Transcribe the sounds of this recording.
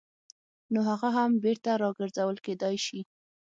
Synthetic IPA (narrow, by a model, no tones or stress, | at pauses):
noɦaɣaɦambeɾt̪aɾɑɡəɾzawəlked̪ɑjʃi